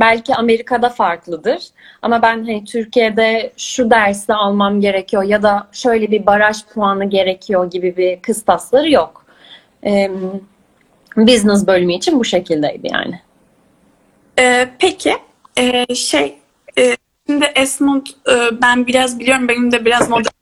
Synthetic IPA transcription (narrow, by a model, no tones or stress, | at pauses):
bælʲciame̞ɾikʰad̪afaɾklˠɯd̪ɯɾ̥ | a̰mabænɦanit̪ʰyɾcʰijed̪ɛʃud̪æɾsɛalˠmamɟe̞ɾecʰijo̞jad̪aʃø̞jlʲɛbibaɾaʃpʰuanɯɟe̞ɾecʰijo̞ɟibibikʰɯst̪aslˠaɾɯjok | ɛm | biznɛzbø̞lʲmyːt͡ʃʰinbuʃe̞cʰilʲd̪ejd̪ɯ̰ja̰ːnɪ | ɛːpʰecʰɪ | ɛːʃej | ɛː | ʃimd̪ɪʔɛsmut̪ɯːbænbiɾazbilʲijo̞ɾumbenimd̪ɛbiɾazmod̪a